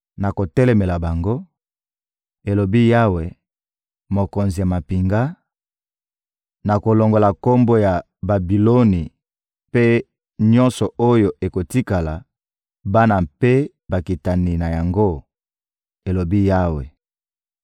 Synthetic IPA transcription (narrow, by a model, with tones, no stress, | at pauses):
na˨ko˨tɛ˦lɛ˨me˨la˨ba˨ŋɡo˦ | e˨lo˨bi˦ja˦we˨ | mo˨ko˨nzi˨ja˨ma˨pi˨ŋɡa˦ | na˨ko˨lo˨ŋɡo˨la˨ko˦mbo˦ja˨ | ba˨bi˨lo˦ni˨ | pe˦ | ɲɔ̃˦nsɔ˨o˦jo˨e˨ko˨ti˦ka˨la˨ | ba˦na˨pe˦ | ba˨ki˨ta˨ni˨na˨ja˨ŋɡo˦ | e˨lo˨bi˦ja˦we˨